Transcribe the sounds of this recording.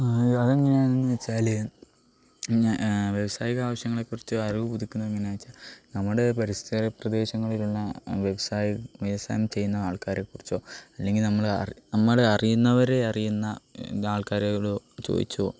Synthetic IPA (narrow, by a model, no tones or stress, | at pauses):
ɐðeŋːɐneaːnenːɨʋet͡ɕːaːle | ʋje̞ʋɐsaːjiɣɐaːʋɐɕjɐŋːɐɭe̞kːurit͡ɕːɨɐriʋɨpud̪ikʲːunːɐeŋːɐneaːjit͡ɕːaːlnɐmːɐɽepɐɾist̪ɐɾɐprɐd̪e̞ːɕɐŋːɐɭiluɭːɐʋje̞ʋɐsaːjʋeʋɐsa̰ːjɐmt͡ɕe̞jːunːɐaːɭkaːɾekːurit͡ɕːoːɐlːe̞ŋɡilnɐmːɐɭɐrnɐmːɐɭɐrijunːɐʋɐɾe̞ɐrijunːɐaːɭkaːɾeɭot͡ɕo̰ːd̪ḭt͡ɕːuo̰ː